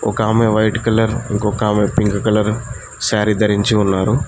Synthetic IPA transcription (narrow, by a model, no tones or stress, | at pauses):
ɔ̰kaːmeʋɐjʈkɐlɐɾiŋkɔkaːmepiŋɡɐkɐlɐɾ | saːɾid̪ɐɾiɲt͡ʃiunːaːɾu